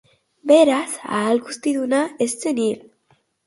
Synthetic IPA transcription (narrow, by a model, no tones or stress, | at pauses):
be̞ɾasa̰ːlɡust̪iðunae̞st͡senil